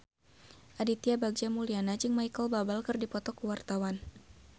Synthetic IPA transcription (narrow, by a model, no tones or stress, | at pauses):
ʔadit̪iabaɡ̚d͡ʒamulianad͡ʒɨŋmajkəlbabalkɨrdipɔt̪ɔkuwart̪awan